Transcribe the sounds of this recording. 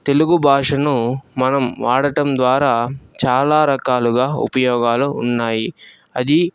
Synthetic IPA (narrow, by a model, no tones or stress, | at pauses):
t̪e̞luɡubʱaːʂɐnumɐnɐmʋaːɽɐʈɐmd̪ʋaːɾaːt͡ʃaːlaːɾɐkaːluɡaːṵpɐjɔːɡaːluːnːaːji | ɐd̪i